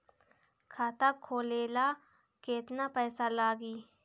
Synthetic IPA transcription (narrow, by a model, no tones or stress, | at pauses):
kʰaːt̪akʰːoːleːla | keːt̪napɛːsalaːɡiː